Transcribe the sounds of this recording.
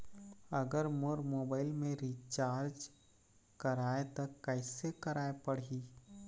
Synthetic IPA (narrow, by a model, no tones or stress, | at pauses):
ɐɡəɾmoɾmoːbaːɪlmẽɾit͡ʃaːɾd͡ʒ | kɐɾaːet̪ɐkɛɪsekəɾaːepɐɽiː